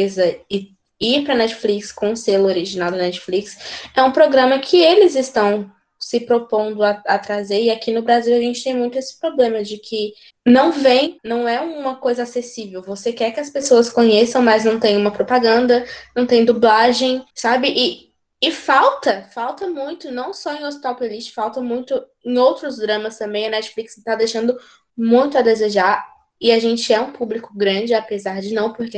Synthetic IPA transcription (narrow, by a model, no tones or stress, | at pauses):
ezɐɪ | iɾpɾɐnɛt͡ʃɪ̥flikskõʊ̃selʊoɾiʒinawd̪ɐnɛt͡ʃɪ̥fliksɛũpɾoɡɾɐ̃mɐkʰɪelɪzɪst̪ɐ̃w̃ | sɪpɾopõnd̪ʊaat̪ɾazeɾɪakinʊbɾaziwaʒẽnt͡ʃɪt̪ẽj̃mũj̃t̪ʊesɪ̥pɾoblẽmɐd͡ʒɪkʰɪ | nɐ̃w̃vẽj̃nɐ̃w̃ɛũũmɐkojzɐasesivewvosekɛɾkɪɐspesoɐskõɲesɐ̃w̃mɐznɐ̃w̃t̪ẽj̃ũmɐpɾopaɡɐ̃nd̪ɐnɐ̃w̃t̪ẽj̃d̪ublaʒẽj̃sabɪʔɪː | fawt̪ɐfawt̪ɐmũj̃t̪ʊnɐ̃w̃sɔẽj̃ospi̥t̪awpoliʃt͡ʃɪ̥fawt̪ɐmũj̃t̪ʊ | ẽj̃owt̪ɾʊzd̪ɾɐ̃mɐst̪ɐ̃mbẽj̃ɐnɛt͡ʃɪ̥fliksɪt̪ad̪ejʃɐ̃nd̪ʊ | mũj̃t̪ʊɐd̪ezeʒaɾ | ɪaʒẽnt͡ʃɪɛũpublikʊɡɾɐ̃d͡ʒɪapezaɾd͡ʒɪnɐ̃w̃poɾke